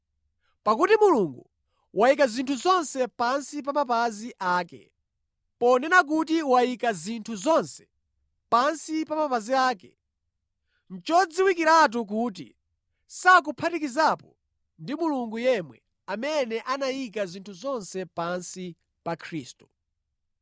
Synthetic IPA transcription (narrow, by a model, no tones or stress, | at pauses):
pakutimuluŋɡṵ | wʔaik̬azintʰuzɔnsɛpansip̬amap̬aziʔaːkɛ̰ | pɔndɛnak̬ut̬iwajikazintʰuzɔnsɛ̥ | pansipamapaziaːkɛ | n̩t͡ʃɔd͡ziwikiɾat̬uk̬uːt̬ḭ | sak̬upʰatikizapɔ | ndimuluŋɡujɛmwɛ | amɛnɛʔanajik̬azintʰuzɔnsɛpansi | pakʰɾiːstu̥